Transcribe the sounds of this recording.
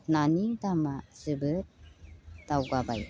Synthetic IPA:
nanidamasɯbɯt̚d̥awɡaba̰j

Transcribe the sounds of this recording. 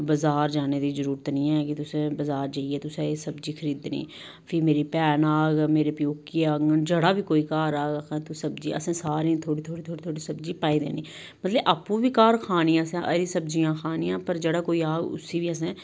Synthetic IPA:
bəzaːɾd͡ʒaːned̪iːzəɾuːɾət̪nĩɛkit̪ʊsẽbəzaːɾd͡ʒaːiet̪ʊsesəbd͡ʒiːxʰəɾiːd̪nḭː | pʰiːmeːɾipɛːnaːɡmeːɾepijoːkːiaːɡnd͡ʒəɽaːbʱiːkoːiːkaːɾaːɡakɛ̃t̪usəbd͡ʒiːə̰sẽsaːɾẽːt̪ʰoːɽit̪ʰoːɽit̪ʰoːɽit̪ʰoːɽisəbd͡ʒiːpaːid̪ḛːniː | mət̪ləbʔaːpũbʱiːkaːɾkʰaːniasɛ̃ʔɐɾisəbd͡ʒijãːxʰaːnijãːpəɾd͡ʒəɽaːkoːiaːɡʊ̰siːbʱiəs̬ẽː

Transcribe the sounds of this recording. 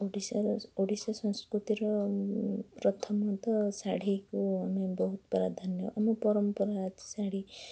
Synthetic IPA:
oɽisaɾoɽisasɔ̃ñskɾut̪iɾɔ | pɾɔt̪ʰɔmɔt̪ɔsaɽ̤ikuamebɔɦut̪bɔɾad̪ʱanjɔʔamɔpɔɾɔmpɔɾat̪saɽ̤i

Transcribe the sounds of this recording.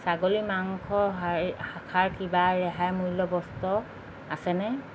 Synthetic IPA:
saɡolimaŋkʰɔhakʰaɹkibaɹɛɦajmujlɔbɔstɔ | asɛnɛ

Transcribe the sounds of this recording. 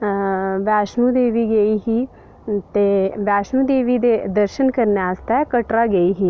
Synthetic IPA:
ʋɛːʃnũd̪eːʋiɡɐiɦiː | t̪eʋɛːʃnũd̪eːʋid̪ed̪əɾʃənkəɾneaːst̪aɛkəʈɾaɡəiɦiː

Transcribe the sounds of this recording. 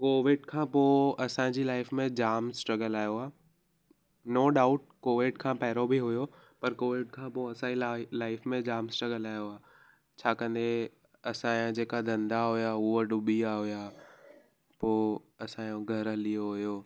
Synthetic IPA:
koːʋɪɖkʰãːpoːɐsãːd͡ʑilaːɪfmẽd͡ʑaːmsʈɾɐɡəlaːjoaː | noːɖaːʊʈ̚koːʋɪɖkʰãːpɛːɾobʱiɦʊjopɐɾkoːʋɪɖkʰãːpoːɐsãːilaːɪfmẽd͡ʑaːmsʈɾɐɡəlaːjoaː | t͡ɕʰaːkɐ̃nd̪e | ɐsãːõd͡ʑeːkad̪ʱɐ̃nd̪aɦujaʊoɖʊbiaɦʊjaː | poː | ɐsãːjõɡʱɐɾlijoɦʊjoː

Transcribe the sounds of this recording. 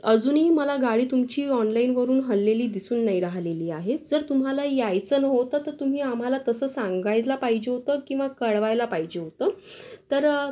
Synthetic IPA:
əd͡zuːnɦiːməlaɡaɽiːt̪umt͡ɕiːɔnlainʋəɾuːnɦəlːeliːd̪isuːnːaiɾaɦleliːaɦed͡zəɾt̪um̤alajajt͡səːnəɦot̪ət̪əɾt̪um̤iːam̤alat̪əsəːsãŋɡajlapaɦid͡ʑeɦot̪əkĩw̃ʋakəɽʋajlapaɦid͡ʑeɦot̪əːt̪əɾ

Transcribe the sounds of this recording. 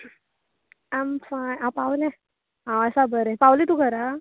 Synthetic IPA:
amfajãpawlɛ | ɦãəsabəɾɛpawlet̪ukəɾa

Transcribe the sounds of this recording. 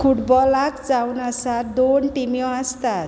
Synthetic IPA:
kʰuʈbɔlakd͡zawnasatd̪onʈimjɔ̃ast̪at̪

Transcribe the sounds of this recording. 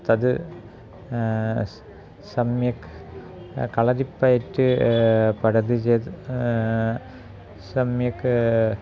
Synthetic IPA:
t̪ɐðɨ | sɐmjɐk | kɐɭɐðipːɐjɐʈːɨpɐɽɐðɯd͡ʒeːt̪ | sɐmjɐkː

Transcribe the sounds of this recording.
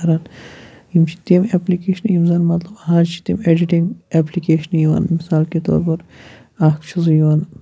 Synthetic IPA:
ɐɾan | imt͡ʃʰi̥t̪emeplikeːʃɐnimzanmɐt̪lɐbɦaːd͡ʒt͡ʃʰi̥t̪imeɖiʈiŋɡeplikeːʃɐnjiʋa̰nmisaːlket̪o̰ːɾbɐɾ | akt͡ʃʰizjiʋan

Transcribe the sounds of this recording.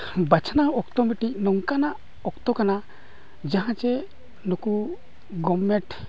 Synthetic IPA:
bat͡ʃʰnaɔkt̪ɔmiʈic̚nɔŋkanaʔ | ɔkt̪ɔkana | d͡ʒãɦãt͡ʃɛ | nɔku | ɡɔmːɛʈ

